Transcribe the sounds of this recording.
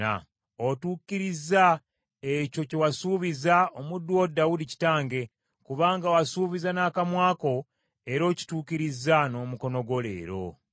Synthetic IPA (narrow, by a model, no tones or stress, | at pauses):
a̰ | otuːkiɾiza | ecocewasuːβizaomudːwodawudici̥taːŋɡe̞ | kuβaːŋɡawasuːβizanaːkamwaːko̞ | eɾo̞ci̥tuːkiɾizano̞muko̞no̞ɡo̞lḛːɾo̞̰